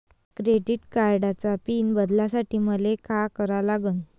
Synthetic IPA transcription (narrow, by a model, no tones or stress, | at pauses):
kɾeɖiʈkaɾɽat͡sapiːnbəd̪ljasaʈiːməlekakəɾalaɡuːn